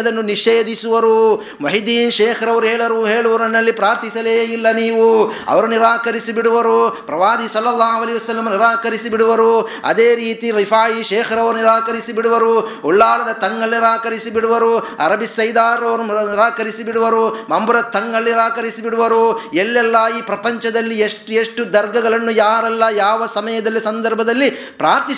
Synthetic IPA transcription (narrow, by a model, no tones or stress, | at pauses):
d̪ɐnːuniʃeːd̪isuʋɐɾu | mɐɦid̪iːnʃɛːkʰɐɾɐʋɐɾuɦeːɭɐɾuɦeːɭuʋɐɾɐnːɐlːipɾaːɾt̪ʰisɐleːilːɐniːʋuɐ̰ʋɐɾuniɾaːkɐɾisibiɽuʋɐɾupɾɐʋaːd̪isɐlːɐlːaːɦuʋɐlɐiʋɐsɐlːɐmniɾaːkɐɾisibiɽuʋɐɾuɐ̰d̪eːɾiːt̪iɾifʰaːjiʃeːkʰɐɾɐʋɐɾuniɾaːkɐɾisibiɽuʋɐɾuɔɭːaːlɐd̪ɐt̪ɐŋɡɐɭniɾaːkɐɾisibiɽuʋɐɾu | ɐ̰ɾɐbisɐjd̪aːɾɐʋɐɾuniɾaːkɐɾisibiɽuʋɐɾumɐmbuɾɐt̪ːɐŋɡɐɭniɾaːkɐɾisibiɽuʋɐɾuelːɛlːɐiːpɾɐpɐɲt͡ʃɐd̪ɐlːieʂʈeʂʈud̪ɐɾɡɐɡɐɭɐnːujaːɾɛlːɐjaːʋɐsɐmɐjɐd̪ɐlːisɐnd̪ɐɾbʱɐd̪ɐlːi | pɾaːɾt̪i